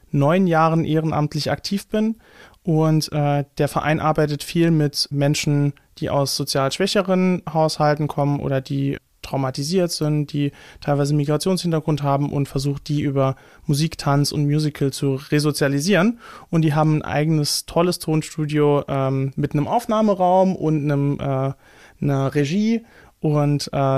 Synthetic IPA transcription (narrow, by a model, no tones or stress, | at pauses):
nɔʏnjaːʁənʔeːʁənʔa̰mtʰlɪça̰ktʰiːfb̥ɪn | ʔʊntʔɛːd̥eːɐfɛɐʔa̰ɪnʔaɐbaɪtətfiːlmɪtmɛnʃn̩ | d̥iːʔa̰ʊsz̥ot͡sjaːlʃv̥ɛçəʁənhaʊshaltn̩kʰɔmənʔo̰ːdɐdiː | tʁ̥aʊmatiziːɐtz̥ɪntd̥iːtʰaɪlvaɪzəmiɡʁat͡sjoːnshɪntɐɡʁʊntɦaːbm̩ʔʊ̰ntfɛɐzuːxt̚d̥iːʔyːbɐ | muziːktʰansʊ̰ntmjuːzɪkʰl̩t͡suʁezot͡sjaliziːʁənʔʊntd̥iːɦaːbm̩nʔa̰ɪɡənəstʰɔləstʰoːnʃtuːdjoʔɛːmmɪtnəmʔaʊfnaːməʁaʊmʔʊ̰ntnəmʔɛː | nəʁeʒiː | ʔʊntʔɛː